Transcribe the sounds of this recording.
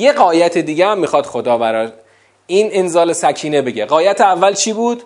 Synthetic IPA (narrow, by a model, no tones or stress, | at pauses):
jeɣɒːjæt̪ʰed̪iːɟeæmːixɒːd̪̥xo̞d̪ɒːbæɾɒː | iːnenzɒːle̞sæcʰiːnebe̞ɟeɢɒːjæt̪ʰeævːælt͡ʃʰiːbuːd̪̥